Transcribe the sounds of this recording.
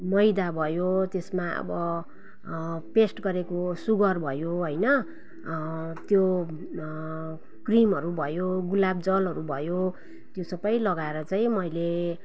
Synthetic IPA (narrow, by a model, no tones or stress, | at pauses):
mʌjd̪abʱʌjot̪esmaʌ̰bʌ | pesʈɡʌɾekosuɡʌrbʱʌjoɦojnʌ | t̪jo | krimɦʌɾubʱʌjoɡulabd͡zʌlɦʌɾubʱʌjo | t̪josʌbʌjlʌɡaeɾʌt͡saĩmʌjle